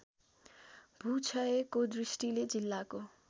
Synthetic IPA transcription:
bʱut͡sʰʌekod̪risʈiled͡zilːako

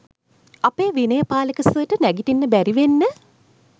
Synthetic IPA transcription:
apeːʋinəjəpaːlekəsəəʈənæɡitinːəbæɾiʋenːə

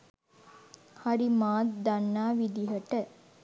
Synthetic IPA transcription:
hɐɾimaːt̪d̪ɐnːaːʋid̪iɦɐʈə

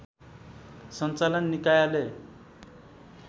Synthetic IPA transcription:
sʌnt͡salʌnːikajale

